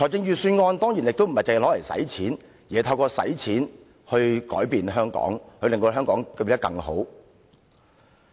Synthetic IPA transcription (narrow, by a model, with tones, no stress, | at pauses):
tʰɔː˨˩jɪ˧ŋjyː˨˧syː˧nŋɔː˧nt̪ɔː˥ŋjiː˨˩njɪ˨k̚t̪o˥wm̩˨˩hɐ˨jt͡sɐ˨˩˨lɔː˨˥lɐ˨˩jsɐ̰˨˥jt͡sʰiː˨˥n | jiː˨˩ɐ˧jt̪ʰɐ˧wkɔː˧sɐ̰˨˥jt͡sʰiː˨˥n | hɵ˧ɥkɔ̰ː˨˥jpiː˧nɦœː˥ŋkɔ̰ː˨˥ŋhɵ˧lɪ˨ŋt̪oː˧ɦœː˥ŋkɔː˨˥ŋkːpi˨˩t̪ɐ˥kːɐ̰˧ŋho̰˨˥w